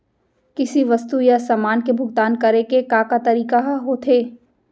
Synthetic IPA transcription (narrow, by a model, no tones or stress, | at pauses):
kɪsiʋɐst̪ujasamaːnkebʱʊɡt̪aːnkɐɾekekaːkat̪ɐɾiːkaɦɦoːt̪ʰeː